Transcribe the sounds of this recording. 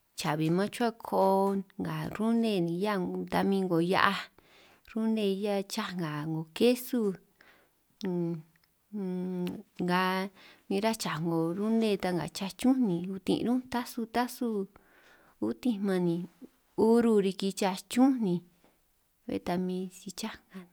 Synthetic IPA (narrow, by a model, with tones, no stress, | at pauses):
t͡ʃa˨βi˨mã˦t͡ʃu˦a˦kʰo˧ŋɡa˨ɾu˦nẽ˧nĩ˨˧ja˦t̪a˧mĩ˧ŋɡo˨ja̰˧ʔa˧ | ɾu˦nẽ˧ja˦˨t͡ʃa˦˧ŋɡa˨ŋɡo˨ke˦su˧˦ | ŋɡa˨mĩ˧ɾa˦t͡ʃa˨ŋɡo˨ɾu˦nẽ˧t̪a˧ŋɡa̰˨t͡ʃa˧t͡ʃũ˦nĩ˧u˧t̪ḭ̃˧ʔɾũ˦t̪a˦su˧t̪a˦su˦ | u˦t̪ĩ˧mã˧nĩ˧ | u˦ɾu˧ɾi˧ki˧t͡ʃa˧t͡ʃũ˦nĩ˧ | βḛ˧t̪a˧mĩ˧si˧t͡ʃa˦ŋɡa˧